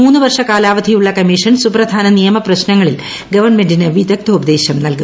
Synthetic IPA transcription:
uːnːɨʋɐrʂɐkaːlaːʋɐd̪ʱijuɭːɐkɐmːiʂɐnsuprɐd̪ʱaːnɐnijɐmɐprɐɕnɐŋːɐɭil | ɡɐʋɐrnmendinɨʋid̪ɐk̚t̪ɐubɐd̪e̞ːɕɐmnɐlku

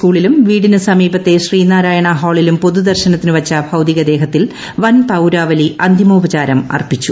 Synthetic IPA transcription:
skuːɭilumʋiːɽinɨsɐmiːbɐt̪ːe̞ɕriːnaːɾaːjɐɳɐɦoːɭilumpo̞ðud̪ɐrɕɐnɐt̪ːinɨʋɐt͡ɕːɐbʱɐwd̪iɣɐd̪e̞ːɦɐt̪ːil | ʋɐnpɐwɾaːʋɐliɐnd̪ʱjimobɐt͡ɕaːɾɐmɐ̰rpit͡ɕːu

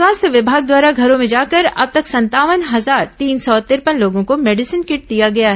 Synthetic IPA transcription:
swaːst̪ʰjəʋɪbʱaːɡ̚d̪waːɾaɡʱɐɾõmẽd͡ʒaːkɐɾɐ̰b̚t̪ɐksɐ̃nt̪aːʋənɦɐzaːɾt̪iːnsɔt̪ɪɾpənloːɡõkomɛːɖɪsənkɪʈ̚d̪ijaɡɐjaɦɛ

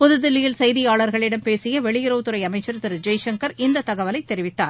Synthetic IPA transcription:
pɔðɯðɪlːɪjɪlsɐjðɪjaːɭɐɾɣɐɭɪɽɐmpeːsɪjɐʋɛɭɪjɪɾoːt̪ɯɾɐɪɐmɐɪt͡ʃːɐɾt̪ɪɾd͡ʒɐjʂɐŋkɐɾɪnd̪ɐt̪ːɐɣɐʋɐlɐɪt̪ːɛɾɪʋɪt̪ːaːɾ

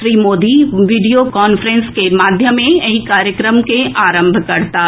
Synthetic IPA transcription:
ɾiːmoːd̪iʋiːɖijokɔːnfɾə̃nskemaːd̪ʱjəmẽɐɦikaːɾjəkɾəmkeʔaːɾə̃mbʱkɐɾt̪aː

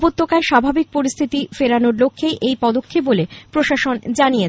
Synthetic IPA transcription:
bot̪ːokaeʃabʱabik̚poɾist̪ʰit̪ifeɾanoɾlokʰːejʔejpɔd̪okʰːep̚bolepɾoʃaʃond͡ʑanije

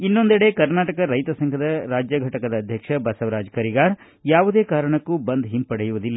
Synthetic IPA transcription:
inːo̞nd̪ɛɽe̞kɐɾnaːʈɐkɐɾɐjt̪ɐsɐŋɡʰʱɐd̪ɐɾaːd͡ʒjaɡʱɐʈɐkɐd̪ɐːd̪ʱjɐkʂɐbɐsɐʋɾaːd͡ʒkɐɾiɡaːɾ | jaːʋud̪e̞ːkaːɾɐɳɐkːubɐnd̪ɦimpɐɽɛjuʋud̪ilːɐ

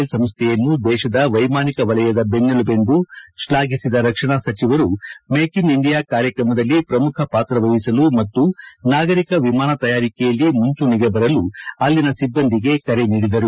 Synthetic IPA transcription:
lsɐmst̪ʰɛjɐnːud̪ɛːʃɐd̪ɐʋɐjmaːnikɐʋɐlɐjɐd̪ɐbenːɐlube̞nd̪uʃlaːɡisid̪ɐɾɐkʂɐɳɐsɐt͡ʃiʋɐɾumeːkiniɳɖijaːkaːɾjɐkɾɐmɐd̪ɐlːipɾɐmukʰɐpaːt̪ɾɐʋɐjisɐlumɐt̪ːunaːɡɐɾikɐʋimaːnɐt̪ɐjaːɾikɛjɐlːimuɲt͡ʃuniɡebɐɾɐluɐlːinɐsibːɐnd̪iɡe̞kɐɾe̞niːɽid̪ɐɾu

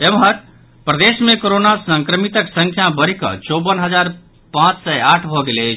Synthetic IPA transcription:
emɦəɾ | pɾəd̪esmekoɾonasəŋkɾəmit̪əksə̃ŋkʰjabəɾikʌ̰t͡ʃobənɦəd͡ʒaɾ | pãt͡ʃsəaʈʰbʱɔɡelet͡ʃʰ

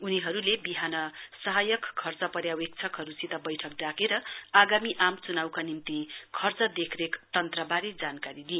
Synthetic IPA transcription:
uniɦʌɾulebiɦanʌsʌɦajʌkkʰːʌrt͡sʌpʌɾjawek̚t͡sʰʌkɦʌɾusit̪ʌbʌjʈʰʌk̚ɖakeɾʌaɡamiʔamt͡sunawkanimt̪ikʰʌrt͡sʌd̪ekʰrekt̪ʌnt̪rʌbaɾed͡zankaɾid̪i

